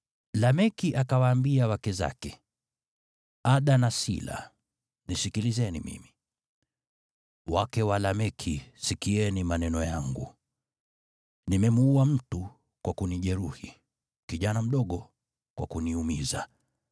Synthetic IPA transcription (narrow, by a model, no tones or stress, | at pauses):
lamɛkiʔakawaːmbiawakɛza̰kɛ | aɗanasḭla̰ | nisikilizɛnḭmḭmi | wakɛwalamɛkʰisikiɛnimanɛnɔjaŋɡṵ | nimɛmuuam̩tu | kwakuniʄɛɾuhi | kiʄanam̩ɗɔɠɔ | kwa̰kuniumiza